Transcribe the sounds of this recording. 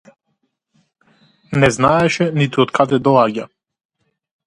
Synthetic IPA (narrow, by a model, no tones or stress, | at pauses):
nɛznaɛʃɛnit̪uɔt̪kʰad̪ɛd̪ɔlˠaɟa